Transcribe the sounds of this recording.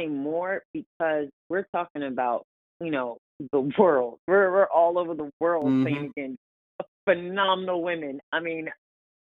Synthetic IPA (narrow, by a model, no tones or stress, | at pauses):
eɪmɔɹb̥ɨk̚ʰʌzwɪɹtʰɔkɪ̃ŋɨbaʊt̚ | jɨnoʊ | ðəwɜ˞lˠd̥̚wɪɹwɪɹʔɔlˠoʊvə˞ðəwɜ˞lˠd̥seɪɪ̃ŋɨɡɛ̃n | fɨnɑmənl̩ˠwɪ̃mɨ̃naɪmĩn